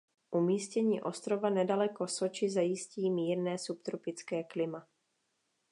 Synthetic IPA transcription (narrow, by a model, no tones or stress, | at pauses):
ʔumiːscɛɲiːʔo̞st̪ɾo̞vanɛdalɛko̞so̞t͡ʃɪzajɪsciːmiːɾnɛːsupt̪ɾupɪt͡skɛːklɪma